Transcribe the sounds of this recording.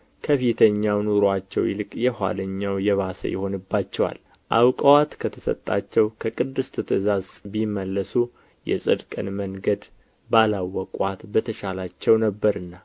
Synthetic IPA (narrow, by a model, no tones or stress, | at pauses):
kʰəfit̪ʰəɲːawnuɾoat͡ʃːɛ̰wjḭlɨkʼjɛhwa̰ləɲːawjɛβasə̰jɛ̰ho̞nɨbːat͡ʃːɛwa̰l | ʔa̰wkʼəwat̪kʰət̪ʰəsə̰t̪ʼːa̰t͡ʃːɛwkʰəkʼɨd̪ːɨst̪ʰɨt̪ʰɨzazbimːəlːəsu | jɛ̰sʼɨ̰d̪kʼɨ̰nməŋɡəd̪ | balawəkʼʷat̪bət̪ʰəʃalat͡ʃːɛwnəbːəɾɨnːa